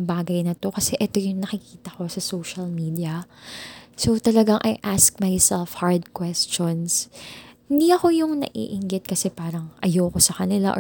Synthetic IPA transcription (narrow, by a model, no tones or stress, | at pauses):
baːɡɐjnɐt̪o̞kɐsɛʔɛt̪o̞jʊŋnɐkɪkiːt̪ɐko̞sɐsowʃɐlmiːd̪iɐ | so̞wt̪ɐlɐɡaŋʔɐjʔask̚majsɛlfhaɹd̪̚kwɛst͡ʃonshɪnd̪iɐko̞jʊŋnɐ̰ʔḭːʔɪŋɡɪt̪̚kɐsɛpaːɾɐŋʔɐjoko̞sɐkɐnɪla̰ʔ